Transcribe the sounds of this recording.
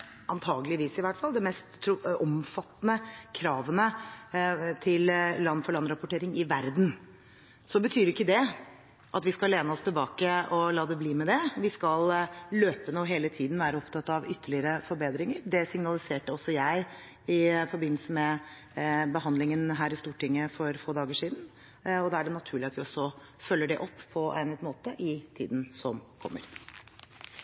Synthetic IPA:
ɑnt̪ʰɑːɡəlɪʋiːsɪʋæʈfɑld̪ɛmɛst̪ʰːɾɔmfɑt̪ːnəkʰɾɑːʋənə | t̪ʰɪlːɑnːfɔɭɑnɾɑpʊʈeːɾɪŋɪʋæɾd̪n | sɔbət̪ʰyːɾɪkːəd̪ɛ | ʔɑt̪ʋɪskɑleːnəɔst̪ʰɪlbɑːkəɔlɑːd̪ɛbliːmɛd̪ɛʋɪskɑlløːpənoːɦeːlət̪ʰiːd̪n̩ʋæːɾəɔpt̪ʰɑt̪ːɑʋʏt̪ːəɭɪəɾəfɔɾbeːd̪ɾɪŋəɾɖɛsɪŋnɑlɪseːʈəɔsːɔjæɪ | ɪfɔɾbɪnːəlsəmɛ | bəɦɑnd̪lɪŋənɦæːɾɪst̪uːʈɪŋːəfɔɾfoːd̪ɑːɡəʂiːd̪n̩ | ɔd̪ɑːæɖɛnɑt̪ʰʉːɭɪɑt̪ʋɪɔsːɔ | fœlːəɖɛʔɔpːpʰːɔʔæ̰ɪnɛt̪moːt̪əʔɪt̪ʰḭːd̪n̩sɔmkʰɔ̰mːə̰ɾ

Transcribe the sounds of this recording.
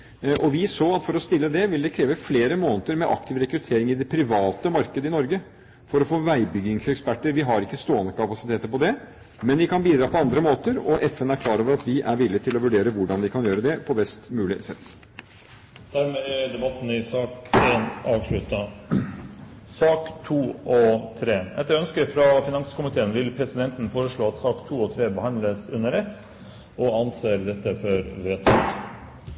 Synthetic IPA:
ʔɔʋɪsoːɑt̪fɔɾɔst̪ɪlːəd̪ɛʋɪld̪ɛkʰɾeːʋəfleːɾəmoːnət̪əɾmɛʔɑk̚t̪ʰɪʋɾɛkɾʉt̪ʰeːɾɪŋɪd̪ɛpʰɾɪʋɑːt̪əmɑɾkəd̪əɪnɔɾɡə | fɔɾɔfoːʋæɪbʏɡɪŋsɛkspæʈːəɾʋɪɦɑɾɪkːəst̪oːənəkɑpɑsɪt̪ʰeːt̪əɾpɔd̪ɛ | mɛnʋɪkʰɑnbiːd̪ɾɑːpʰɔɑnd̪ɾəmoːt̪əɾɔʔɛfɛnæɾkʰlɑːɾoːʋəɾɑt̪ʋɪʔæɾʋɪlːɪət̪ʰɪlɔʋʉɖeːɾəʋʊɖɑnʋɪkʰɑnjøːɾəd̪ɛpʰɔbɛst̪mʉːlɪsɛt̪ː | d̪̥æɾmeːd̪ɛbɑt̪n̩ɪsɑːkeːnɑːʋʂɭʉt̪ɑ | sɑːkt̪ʰuːʔɔt̪ʰɾeːɛ̰t̪ːæœnskəɾfɾɑfɪnɑŋskʊmɪt̪ʰeːənʋɪlpʰɾɛsɪd̪ɛnt̪n̩foːɾəʂɭoːɑt̪sɑːkt̪ʰuːɔt̪ʰɾeːbəhɑnd̪ləsʉnːəɾɛt̪ː | ɔɑnseːɾd̪ɛt̪ːəfɔɾʋeːt̪ʰːɑt̪

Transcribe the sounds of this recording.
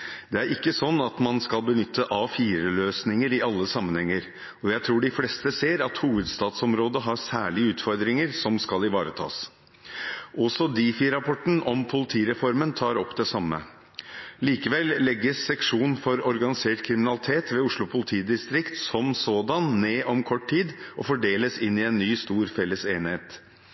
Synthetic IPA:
d̪̥ɛæɾɪkːəsɔnːɑt̪mɑnskɑlbənʏt̪ʰːəʔɑfiːɾəløːsnɪŋəɾɪɑlːəsɑmːənhɛŋːəɾ | ɔjæɪt̪ʰɾuːɖɪflɛst̪əseːɾɑt̪huːʋəd̪st̪ɑːt̪sɔmɾoːd̪əɦɑsæːɭɪəʉːt̪fɔɾd̪ɾɪŋəɾsɔmskɑlɪʋɑːɾət̪ʰɑ̰ːs | ʔɔsɔd̪iːfɪɾɑpʰɔʈn̩ɔmpʰʊlɪt̪ʰiːɾɛfɔɾmənt̪ʰɑːɾɔpːd̪ɛsɑmːə̰ | liːkəʋɛlːɛɡːəsːɛkʂuːnfɔɾɔɾɡɑnɪseːʈkʰɾɪmɪnɑlɪt̪ʰeːt̪ʋeːʊʂɭʊpʰʊlɪt̪ʰiːd̪ɪst̪ɾɪkt̪sɔmsoːd̪ɑnːeːʔɔmkʰɔʈtʰiːd̪ʔɔfɔɖeːləsɪnːɪɛnːyːst̪uːɾfɛlːəseːnheːt̪

